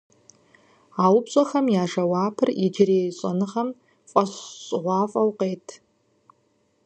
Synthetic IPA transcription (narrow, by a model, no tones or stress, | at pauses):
aːwbɕʼɐxɐmjaːʂɐwaːpʰɨrid͡ʒɪrejɕʼɐ̰nɨʁɐm | fʼɐɕɕʼʁʷɑːfʼɐwqejtʰ